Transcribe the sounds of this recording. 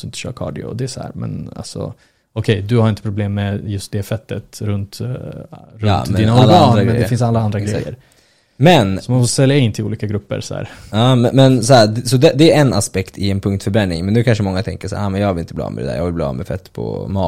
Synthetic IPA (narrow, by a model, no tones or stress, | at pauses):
d̪ɵɪnt̪ə̥ɕœ̰ːɾkʰɑ̰ːɖɪɔ̰d̪ɛæʂɔhæ̰ːɾmɛ̰na̰lsɔ̰ | ɔkʰɛjd̪ɵhaɾɪnt̪əpʰɾʊbleːmːɛjɵst̪̚d̪ɛfɛt̪ːət̪ɾɵnt̪ | ɾɵd̪iːnalːɾamɛnd̪ɛfɪnsalːaand̪ɾaɡɾɛjːə̰ɾ | mɛnsɔmanfɔsɛlːjaɪnt̪ʰɪlṵːliːkaɡɾɵpːə̰ɾsɔhæ̰ːɾɑːɛmɛnsɔhæːɾsɔd̪ɛd̪ɛːɾɛna̰spɛkt̪ʰɪɛnpʰɵŋk̚t̪fœɾbɾɛnːɪŋmɛnd̪ʉːkʰanʂəmɔŋːat̪ʰɛŋkəʂæːɾaːmɛnjɑːɡvɪlɪnt̪əblɑ̰ːmɛd̪ɛd̪æ̰ːɾjɑːvɪlblɑ̰ːmɛfɛt̪ːpʰɔ̰mɑː